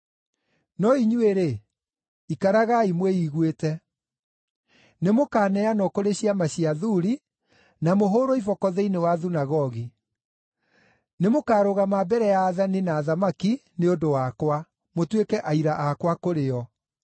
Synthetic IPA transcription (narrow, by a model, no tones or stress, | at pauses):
nɔiɲueɾe | ikaɾaɣaimwɛiɣwetɛ | nemokaːnɛanɔkoɾeɕiamaɕiaðuɾi | namoɦoɾoivɔkɔðeinewaðunaɣɔɣi | nemokaːɾoɣamabɛɾɛjaːðaninaːðamaki | neondowakwa | motwekɛʔaiɾaʔakwakoɾeɔ